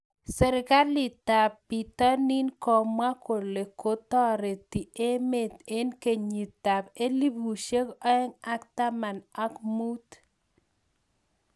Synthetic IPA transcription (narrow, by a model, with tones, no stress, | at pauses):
sɛ˨ɾɪ˨ka˦li˨ta˨pːi˨ta˦ni˦nkɔ˨mwa˦ko˨le˨ko˦t̪ɔ˦ɾe˨ti˨ʔe˦me˦˨t̪e˦nke˨ɲi˨ta˨pe˦li˦bu˨ʃe˦kɔ˦ɛ˦ŋa˦k̚ta˦ma˨na˦kmu˦t